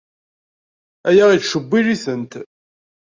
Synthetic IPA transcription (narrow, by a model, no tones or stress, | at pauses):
æjæʁit͡sʃəbːiliθənt̪